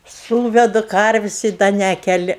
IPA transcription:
ˈsuːʋʲɛdʊ ˈkɐrʲʋʲɪsʲ ɪ ˈdɐ ˈnʲæːkʲɛlʲɪ

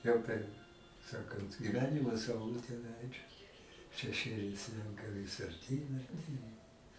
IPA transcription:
ˈjɛʊ pʲɛr ˈsɑːkɐnt ɡʲɪˈʋʲæːnʲɪmoː sɐʊˈlˠʊtʲeː ˈlʲɛɪd͡ʒɐs ʃʲɛˈʃʲeːlʲɛɪ ˈsʲlʲɛŋkɐ ʋʲɪs ɐrʲˈtʲiːn ɐrʲˈtʲiːn

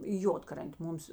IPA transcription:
ɪ ˈjoːtkrɐnʲtʲeː ˈmʊms

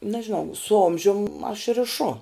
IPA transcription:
nɐʒʲɪˈnɐʊ sʊ ˈoːmʲʒʲʊm ɐʃ rʲɪˈʃʊ

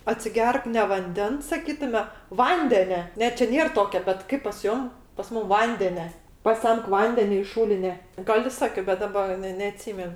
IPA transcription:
ɐtʲsʲɪˈɡʲɛrk nʲɛ ʋɐnʲˈdʲɛns sɐˈkʲiːtʊmʲɛ ˈʋɐnʲdʲɛnʲɛ ˈnʲɛ t͡ʃʲɛ ˈnʲeːr ˈtoːkʲɛ bʲɛt ˈkɐɪp pɐs ˈjoːm pɐs ˈmuːm ˈʋɐnʲdʲɛnʲɛ pɐˈsʲɛmk ˈʋɐnʲdʲɛnʲɛ ɪʃ ˈʃuːlʲɪnʲɛ ˈɡɐlˠ ɪ ˈsɑːkʲoː bʲɛt ˈdɑːbɐ ˈnʲɛ nʲɛɐˈtʲsʲiːmʲɛn

